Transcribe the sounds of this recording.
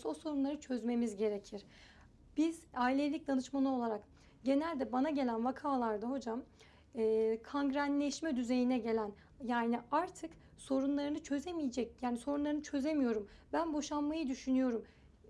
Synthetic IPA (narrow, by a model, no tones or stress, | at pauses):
so̞so̞ɾunlˠaɾɯt͡ʃʰø̞zme̞mizɟe̞ɾecʰiɾ̥ | b̥izaːilʲelʲic̚d̪anɯʃmalˠɯo̞lˠaɾak | ɟe̞nælʲd̪ɛbanaɟe̞lʲænvakʰaːlˠaɾd̪aɦo̞d͡ʒam | ɛːkʰaŋɡɾænlʲɛʃmɛd̪yze̞jinɛɟe̞lʲæn | jaːniaɾt̪ʰɯk | so̞ɾunlˠaɾɯnɯt͡ʃʰø̞zemijid͡ʒɛcjaːniso̞ɾunlˠaɾɯnɯt͡ʃʰø̞ze̞mijo̞ɾumbænbo̞ʃanmajɯd̪yʃynyjo̞ɾum